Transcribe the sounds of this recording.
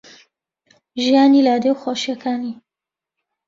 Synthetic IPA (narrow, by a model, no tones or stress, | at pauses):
ʒijaːniːlaːd̪ewxoʃijɐkʰaːni